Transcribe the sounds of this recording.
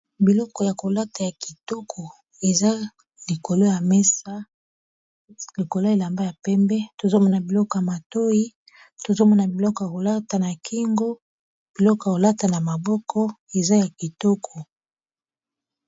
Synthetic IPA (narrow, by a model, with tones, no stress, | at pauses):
bi˨lɔ˦kɔ˨ja˨ko˨la˦ta˨ja˨ki̥˨tɔ˦kʰɔ˨ | e˨za˦ | li˨ko˨lo˦ja˨mɛ˦sa˦ | li˨ko˨lo˦e˨la˨mba˦ja˨pɛ˦mbɛ˦to˨zo˦mɔ˦na˨bi˨lɔ˦kɔ˨ja˨ma˨to˦i˦ | to˨zo˦mɔ˦na˨bi˨lɔ˦kɔ˨ja˨ko˨la˦ta˨na˨kʰi˦ŋɡo˦ | b̥i˨lɔ˦kja˨ko˨la˦ta˨na˨ma˨bɔ˦kʰɔ˦e˨za˦ja˨ki˨tɔ˦kʰɔ˨